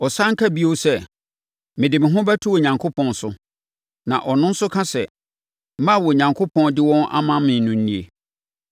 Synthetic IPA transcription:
ɔ˨sã˦ŋ̩˦kʰa˦bi˦o˦sɛ˦ | mɪ̃˨dɪ˨mɪ̃˨ɦʊ̃˦bæ˦tʰu˦ɔ˨ɲã˨ŋkʰo˦pʰɔ̃˦˨n˨sʊ˦ | nã̰˨ʔɔ˨nʊ̃˦n̩˦sʊ˦kʰã˦sɛ̰˨ | m˦mã˦˨wɔ˨ɲã˨ŋkʰo˦pʰɔ̃˦ndɪ˦wɔ̃˦nʔa̰˦mã˦mɪ̃˨n˨nʊ̃˨n̩˦nĩ˦ḛ˨

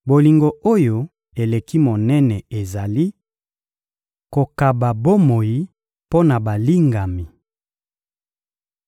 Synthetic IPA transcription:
bo˨li˨ŋɡo˨o˦jo˨ | e˨le˨ki˦mo˨nɛ˦nɛ˨e˨za˨li˦ | ko˨ka˨ba˨bo˦mo˨ji˦ | po˦na˨ba˨li˦ŋɡa˨mi˨

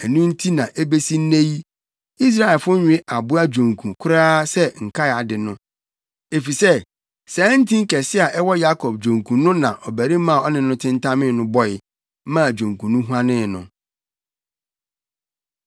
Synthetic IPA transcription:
ɛ˨nũ˦n̩˦tʰi˦nã˨ʔe˦be˦si˦n̩˦nẽ˦ji˦ | i˦s̬ɾa˦ɛ˨lfʊ˦ɲʊ̃˦e˦ʔa˨bʊ˦a˦d͡ʑᶣõ˨ŋkʰũ˨kʰʊ˦ɾaː˦sɛ˦ŋ̩˨kʰa˦˨a˨dɪ˨nʊ̃˦ | e˨fi˨sɛ˦ | sɛː˨˦n̩˦tʰĩ˦ŋ̩˦kɛ˨sɪ˦a˨ʔɛ˦wɔ˦ja˦kʰɔ˨b̚d͡ʑᶣõ˨ŋkʰũ˨nʊ̃˦nã˨ʔɔ˨bæ˨ɾi˦mã˦˨ɔ˦nɪ̃˨˦nʊ̃˦tʰɪ̃˦ntʰã˦mɪ̃˦nʊ̃˦bɔ˦ɪ˨˦ | mã˦˨d͡ʑᶣõ˨ŋ˨kũ˨nũ˦ɦu˦ã˦nɪ̃˦nʊ̃˨

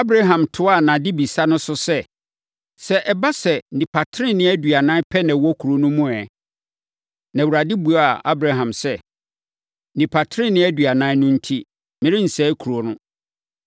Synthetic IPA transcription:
a˦bɾa˦ɦã˨mtʰʊ˦a˦˨nã˨dɪ˦bi˨sa˦nʊ̃˦sʊ˦sɛ˦ | sɛ˦ʔɛ˨ba˦sɛ˨nĩ˨pʰa˨tʰɾɪ̃˦nɪ̃˦æ˦dɥa˨nãː˦pʰɛ˦nã˨wɔ˦kʰu˨ɾo˦nʊ̃˦mũ˦ɛ˨ | nã˨wu˨ɾa˨dɪ˦bu˨˦a˨a˦bɾa˨ɦã˨msɛ˦˨ | nĩ˨pʰa˨tʰɾɪ̃˦nɪ̃˦æ˦dɥa˨nã˦nʊ̃˦n̩˦tʰi˦ | mɪ̃˦ɾɪ̃˦n̩˨sɛː˦kʰu˨ɾo˨˦nʊ̃˦

